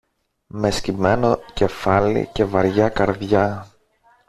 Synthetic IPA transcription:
me̞scime̞noce̞fɐlḭce̞vɐɾʝɐkɐɾðʝɐ

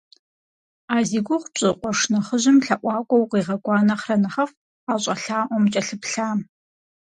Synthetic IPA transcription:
aːziːɡʷʊχʷɕʼɪqʷɔʂnɐχəʑɪmɬɐʔʷɑːkʷʼɔwqiːʁɐɡʷʼɑːnɐχrɐnɐχɐf | aːɕʼɐɬaːʔʷɔmt͡ʃʼɐɬɨpɬaːm

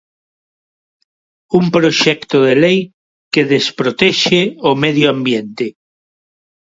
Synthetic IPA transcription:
umpɾoʃɛkt̪oðelej | keðespɾot̪ɛʃeomeðjoambjent̪e

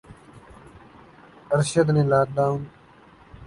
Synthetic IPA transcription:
əɾʃəd̪nẽːlaːk̚d̪aːwn

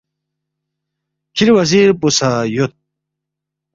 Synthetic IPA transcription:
kʰiɾwɐziɾpusajut̪̚

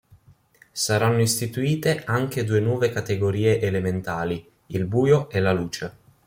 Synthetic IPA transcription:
saɾanːoist̪it̪uiːt̪eʔaŋk̟ed̪uːenwɔːvekat̪eɡoɾiːeʔelement̪aːli | ilbuːjoʔɛlaluːt͡ʃe

